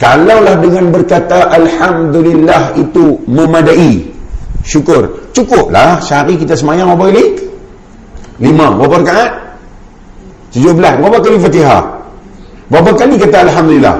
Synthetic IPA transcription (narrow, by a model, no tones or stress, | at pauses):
kalawlahdəŋanbərkat̪aʔalhamd̪ulilːahit̪uməmadaʔi | ʃukʊrt͡ʃukʊp̚la̰hʃaɾikit̪asəmajaŋbabakali | limababaɾkaʔat̪̚ | t̪əd͡ʒobəlasbabaʔkalifat̪iɦa̰h | babakalikat̪aːlɦamd̪ulilːa̰h